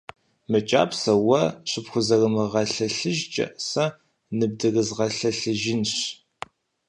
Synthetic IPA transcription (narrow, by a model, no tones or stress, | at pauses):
mɨt͡ʃʼa̰ːpsɐwɐɕɪpxʷʊzɐrɨmɨʁɐɬɐɬɨʒt͡ʃʼɐ̰ʔsɐ | nɨb̚dɨrɨzʁɐɬɐɬɨʒɪnɕ